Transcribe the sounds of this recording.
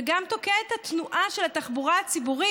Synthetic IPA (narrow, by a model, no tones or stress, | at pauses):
ɡamt̪o̞keet̪hat̪nuʔaʃelat̪aχbuʁaat͡sibuʁi